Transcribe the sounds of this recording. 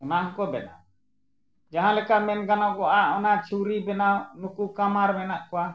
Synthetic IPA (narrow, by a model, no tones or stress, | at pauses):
ɔnaŋkɔbɛna̰ | d͡ʒaɦãlɛkamɛnɡanakɔʔaʔɔnat͡ʃʰuɾibɛnanukukamaɾmɛnaʔkɔwa